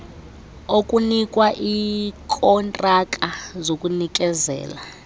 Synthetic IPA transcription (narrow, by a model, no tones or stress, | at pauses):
okʼunikʼwaʔikʰʼɔntʼakʼazokʼunik̬ʼɛzɛ̰ːla